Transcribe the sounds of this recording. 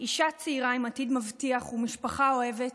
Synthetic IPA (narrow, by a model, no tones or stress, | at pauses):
iʃat͡seiʁaimatidmavtiaχumiʃpaχao̞e̞vet